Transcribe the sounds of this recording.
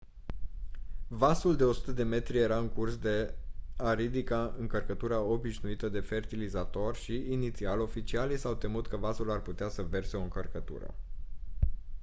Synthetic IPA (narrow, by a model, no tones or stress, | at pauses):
vasuld̪e̞o̞su̥t̪əd̪e̞me̞t̪ɾije̞ɾaɨŋkursd̪e̞aɾid̪ikaɨŋkərkət̪uɾao̞biʃnuit̪əd̪e̞fe̞rt̪ilizat̪o̞rʲʃiːnit̪sialo̞fit͡ʃialisawt̪emut̪kəvasularput̪easəve̞rseo̞ɨŋkərkət̪ṵɾə̰